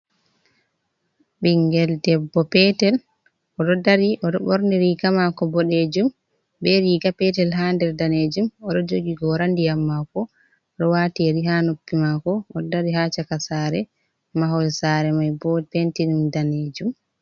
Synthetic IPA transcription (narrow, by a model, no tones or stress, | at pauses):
ɓiŋɡɛldɛbːɔpɛtɛl | ɔɗɔdaɾiʔɔɗɔɓɔɾniɾiːɡamakɔbɔɗed͡ʒum | bɛɾiːɡapɛtɛlɦandɛɾdaned͡ʒumɔɗɔd͡ʒoɡiɡɔɾandijamːakɔ | ɔɗɔwaːtiɾiɦanopːimakɔːɔdaɾiɦat͡ʃakasaɾɛ | maɦɔlsaɾɛmajbɔtentinimdaned͡ʒum